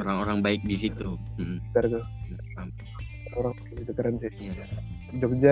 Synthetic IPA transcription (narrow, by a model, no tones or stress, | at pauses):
oɾaŋoɾaŋbaɪk̚disit̪um̩m̩t̪aɾt̪ua | a | oɾaŋkɪnit̪ukəɾəntija | d͡ʒɔk̚d͡ʒa